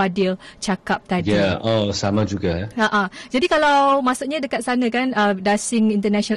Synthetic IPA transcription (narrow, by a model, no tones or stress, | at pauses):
adiət͡ʃakap̚t̪adjiaʔosamãd͡ʒuɡaaʔad͡ʒadikalawmãsuʔɲadəkat̪̚sanãkanədasɪŋint̪ənasɔna